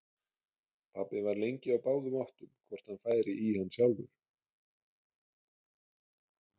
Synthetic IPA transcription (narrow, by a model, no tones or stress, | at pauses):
pʰapːɪvaɾlejɲcɪawpaːwðʏmawht̪ʏmkʰvɔr̥t̪hanfaːjɾɪʔihanːsjawlðʏ